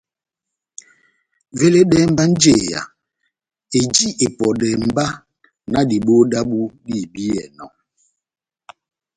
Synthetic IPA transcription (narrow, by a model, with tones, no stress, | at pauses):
ve˦le˦dɛ˦m̩˦ba˦n̩˦d͡ʒe˦˨ja̰˨ | e˨d͡ʒi˦ʔe˨pɔ˨dɛ˨m̩˨ba˦ | na˦di˨ɓo˦da˦bu˦di˦˨bi˦ɛ̰˨nɔ˨